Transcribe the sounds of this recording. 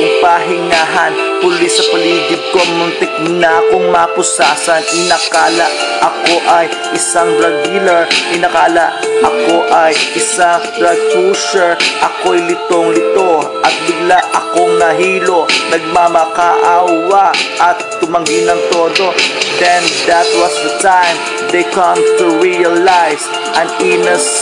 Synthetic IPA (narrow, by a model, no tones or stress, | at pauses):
paːɦɪŋaɦɐnpʊlisɐpɐliːkɪt̪̚koŋmʊnt̪ɪk̚nɐɐkoŋmapʊsaːsɐnʔɪnɐkaːlaʔʔɐko̞ʔɐj | ʔɪsaŋbɾɐɡilɐɹɪnɐkaːlaʔʔɐko̞ʔɐjʔɪsaŋt̪ɾɐɡ̚kusɛɹʔɐkojlɪt̪oŋlɪt̪o | ʔɐt̪̚bɪɡlaʔʔɐkoŋnɐɦiːlonɐɡ̚mamakaʔawaʔʔɐt̪ːʊmɐŋɡinɐŋt̪oːd̪od̪ɛnd̪ɐt̪wɐsd̪ɐt̪ãjm | d̪ejkɐmt̪ʊɹiɐlajs | ʔɐ̃ninɐs